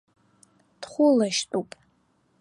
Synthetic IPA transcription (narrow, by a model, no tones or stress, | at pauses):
d̥χʷʊlaʃtʼupʼ